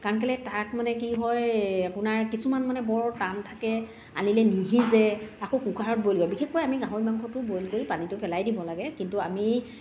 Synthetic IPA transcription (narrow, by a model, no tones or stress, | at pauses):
kaɹɔnk̬alɛtakmanɛk̬iɦɔjapʊnaɹkisumanmanɛbɔɹtantʰakɛ | a̰nilɛniɦizɛakokukʰaɹɔt̚bojlɡɔjbixexːojamiɡãɦoimaŋkʰɔtʊbojlkoɹipanitʊpɛlajdibɔlaɡɛkintuami